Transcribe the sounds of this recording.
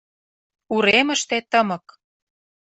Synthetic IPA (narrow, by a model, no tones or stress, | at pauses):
uɾemə̆ʃt̪et̪əmɤ̆k